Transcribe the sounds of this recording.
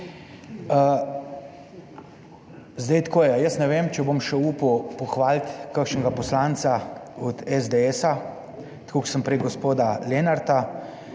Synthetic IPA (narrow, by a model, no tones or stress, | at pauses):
ə | zd̪əjt̪kʰoːjɛjəsnɛʋeːmt͡ʃɛbomʃɛuːpupɔxʋaːlt̪kakʃnɛɡapɔslant̪saɔd̪ɛzd̪eɛsa | t̪kʰoksəmpɾɛjɡɔspoːd̪alenaɾt̪a